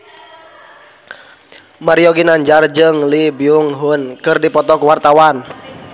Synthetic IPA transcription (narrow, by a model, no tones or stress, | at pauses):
maɾiɔɡinaɲd͡ʒard͡ʒɨŋlibiuŋɦunkɨrdipɔt̪ɔkuwart̪awan